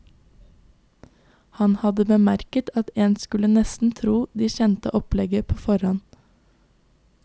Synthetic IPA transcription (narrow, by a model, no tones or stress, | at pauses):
hɑnhɑd̪əbəmæɾkət̪ʰɑt̪eːnskʉlənɛst̪n̩t̪ʰɾuːd̪iːçɛnt̪ə̰ʔɔplɛɡəpʰoːfɔɾhɔn